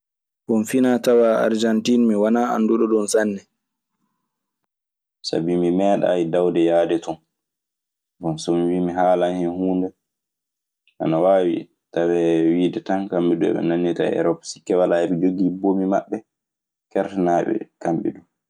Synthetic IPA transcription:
ʔɔnfinatawaːa̰ɾd͡ʒantinmiwanaːa̰nduɗɔɗɔnsanːɛ | sa̰bimimɛːɗa̰ːjidawdɛjaːdɛtɔn | bɔnsɔmiwimiɦaːlanhɛnhuːndɛ | ʔa̰nawaːwḭ | tawɛwiːdɛtankamɓiɗuɛ̰ɓɛ̰nanːita̰ɛ̰ɾɔpsi̥kːɛwalaɛɾid͡ʒoɡibomima̰ɓːɛ | kɛɾtɛnaːɓɛ̰kamɓḭɗum

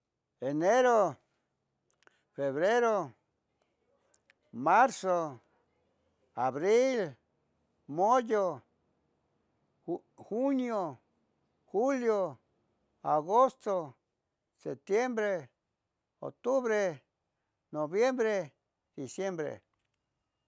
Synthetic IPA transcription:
eneɾo | feβɾeɾo | maɾso | aβɾil | mojo | xunjo | xuljo | aɣost̪o | set̪jembɾe | o̰t̪uβɾe | noβjembɾe | d̪̥isjembɾḛ

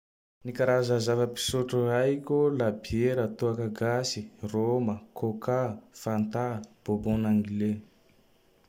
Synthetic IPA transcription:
nikaɾazazavəpi̥suʈ͡ʂurajkʲolabieɾət̪uakaɡasiroməkʰokafant̪ab̥obõnaŋɡile

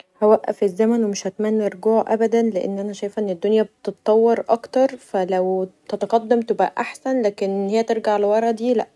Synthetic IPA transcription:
hæwæʔːæ̰fezːæmænwemeʃhæt̪mænːeɾˤɡuːʕʔæ̰bæd̪ænleʔḛnːʔænæʃæjfʔenːed̪ːonjæb̚et̪et̪t̪ˤːɑwːeɾˤʔɑ̰kt̪ɑɾˤfælæwt̪æt̪ɑqɑd̪ːæmt̪ebʔæ̰ʔaħsænlæːkenhejːæt̪eɾɡaʕlewɑɾˤɑd̪iːlæʔ

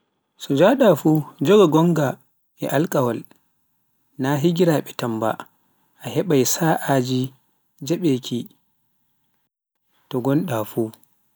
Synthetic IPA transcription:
sɔd͡ʒaɗafuːd͡ʒɔɡaɡɔŋɡa | ɛʔalkʼawal | naɦiɡiɾaɓɛtamba̰ | ʔaɦɛɓajsaʔad͡ʒi | d͡ʒaɓekʰi | tɔɡɔnɗafu

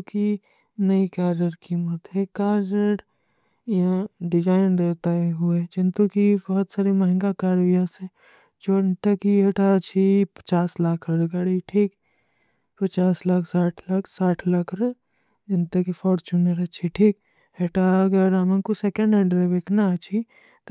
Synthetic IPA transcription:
ki | nɐikaːɾəɽkiːmət̪ɦɛkaːɾəʈ | jãɖɪd͡ʒaːɪnɾeɦt̪aeɦued͡ʒɪ̃nt̪ukibɔɦɔt̪saːɾemɐɦɪ̃ŋɡakaːɾʋijãsẽ | d͡ʒoːɪnt̪ɐkiɦeʈat͡ʃʰipɐ̥t͡ʃaːslaːkʰɾɾɡaːɽiʈʰiːk | pɐt͡ʃaːslaːkʰsaːʈʰlakʰsaːʈʰlaːkʰɾɐ | d͡ʒɪnt̪ɐkifʰɔːɾt͡ʃunəɾɐt͡ʃʰiʈʰiːk | ɦeʈaɐɡəɾamə̃kusekə̃ɳɖẽɳɖɾebeknat͡ʃʰi

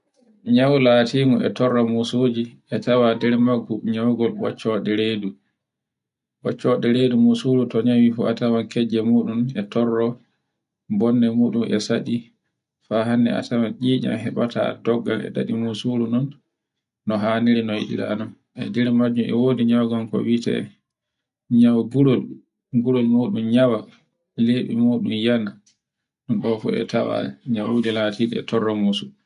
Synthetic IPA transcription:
ɲawlatiːmɔɛ̰tɔrːɔmusoːd͡ʒiʔɛtawadɛɾmaɡuɲawɡɔlɓɔ̰t͡ʃːɔɗɛɾeːdu | ɓɔt͡ʃːɔɗɛɾedumusulutɔɲawifɔ̰atamankʰɛd͡ʒɛmuːɗunɛtɔrːɔ | bɔnːɛmuːɗumʔɛ̰saɗi | faɦanːɛ̰a̰tamanʔiːd͡ʒa̰mhɛɓatʰa̰dɔɡːa̰lɛ̰ɗa̰ɗimusuɾunɔnː | ɔɦaːniɾinɔjḭɗḭɾa̰nɔn | ʔɛ̰dɛɾmad͡ʒːumɛwoːdiɲawɡɔmkɔ̰witɛ̰ | ɲawɡuɾol | ɡuɾolmoɗumɲawa | leːɓḭmoːɗumjana | ɗɔnɗɔfṵɛ̰tawa̰ɲawudilaːtidɛɛ̰tɔrːɔmusu

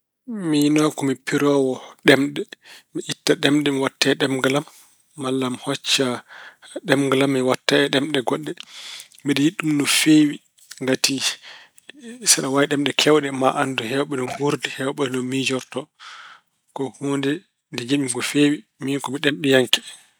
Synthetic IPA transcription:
minɔkɔmipiɾɔwɔɗɛmɗɛmiʔitːaɗɛmɗɛmiwatːɛɗɛmɡalamː | alːamhɔt͡ʃːa | ɗɛmɡalamːiwatːaɛɗɛmɗɛɡɔɗːɛ | miɗɔjiɗːumnɔfewi | ŋɡati | saɗawajɗɛmɗɛkʰɛwɗɛmaʔanduɦɛwɓɛnɔnhuɾdihɛwɓɔɗɛnɔnmid͡ʒɔɾtɔ | kɔhondɛ | dɛd͡ʒeɓimɡɔfewiminkɔmiɗɛmɗɛjaŋkɛ̥

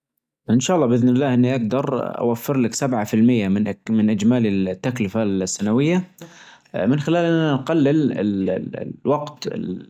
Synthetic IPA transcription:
ʔɪnʃaːʔlːɑːbʔɪðnɪlːaːhʔɪnːiʔaɡd̪ɑɾˤʔa̰wafːɪɾlɪksabʕafɪlmɪjːamɪnʔmɪnʔɪd͡ʒmaːlɪlt̪ːaklɪfalsːanawɪjːa | mɪnxɪlaːlʔɪnːanɡalːɪlɪ̰l | waɡt̪ɪ̰l

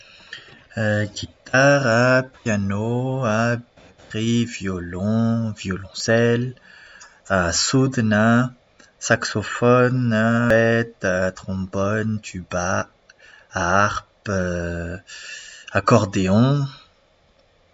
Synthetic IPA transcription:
ɡʲit̪aʁapjanoab | tʁivjɔlɔ̃vjɔlɔ̃sɛl | asud̪na | saksɔfɔnaɛt̪at̪χɔ̃bɔnt̪ʰyba | aːʁpø | akɔʁd̪eɔ̃

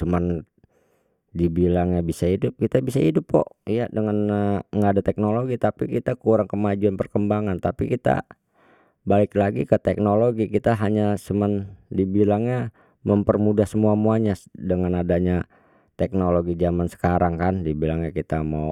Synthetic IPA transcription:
səman | dibilaŋɲabisaidʊp̚kit̪abisaidʊpːɔ̰ʔjadəŋanŋɡaːdat̪ɛk̚noloɡit̪apikit̪akuɾaŋkəmad͡ʒuanpərkəmbaŋant̪apikit̪a̰ | balɪklaɡikət̪ɛk̚noloɡikit̪aɦaɲasəməndibilaŋɲa | məmpərmudahsəmuamuaɲadəŋanadaɲa | t̪ɛk̚noloɡid͡ʒamansə̥kaɾaŋkandibilaŋɲakit̪amaw

